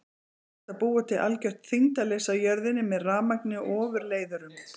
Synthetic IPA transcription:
ɛht̪ːapuːat̪ʰɪʔalcœht̪θiŋt̪alejsawjœɾðɪnːɪmɛðraːmaknɪʔɔːvʏɾleːjðʏɾʏm

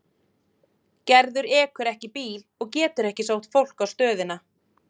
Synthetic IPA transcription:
cɛɾðʏɾɛːkʏɾɛhcɪpiːlɔɣcɛːt̪ʏɾɛhcɪsaːwht̪fowl̥kawst̪œːðɪna

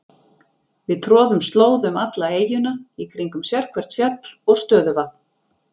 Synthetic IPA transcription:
vɪðt̪ʰɾɔːðʏmst̪loːwðʏmat̪laeːjʏnaikʰɾiŋkʏmsjɛɾ̥kʰvɛr̥t̪fjat̪lɔɣst̪œːðʏvat̪̚n̥

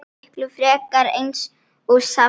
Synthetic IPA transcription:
hklʏfɾɛːkaɾḛjns | ɔɣsa

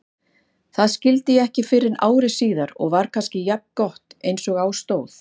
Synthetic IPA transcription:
θaðscɪlt̪ɪjɛɛhcɪfɪɾɪna̰ːwɾɪsiːðaɾɔ̰ɣvaɾ̥kʰanscɪjap̚nkɔht̪ejnsɔɣaːwst̪oːwθ

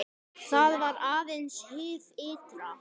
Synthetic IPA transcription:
θaðvaɾaːðenshɪːfɪːt̪ɾa

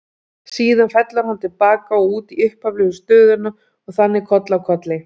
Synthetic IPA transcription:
siːðanfɛt̪laɾ̥hant̪ʰɪlpaːkaɔuːt̪iʏhpavlʏɣʏst̪œːðʏna | ɔɣθanːɪkʰɔt̪lawkʰɔt̪lɪ

